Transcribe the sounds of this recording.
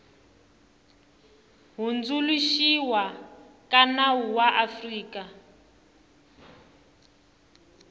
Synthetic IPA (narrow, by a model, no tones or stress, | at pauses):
ɦund͡zuluʃiwa | kanawuwaʔafriːka